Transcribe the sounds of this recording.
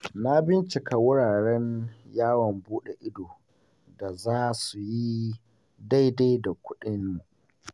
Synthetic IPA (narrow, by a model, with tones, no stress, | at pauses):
na˦bɪ˦nt͡ʃɪ˨ka˨wʊ˦ɽaː˨ɾɛ˦njaː˦wɔ˨mbuː˦ɗe˨ʔɪ˦doː˨ | da˨zaː˦su˨ji˦ | da˦jda˦jda˨kʷʊ˦ɗɪ˦nːu˨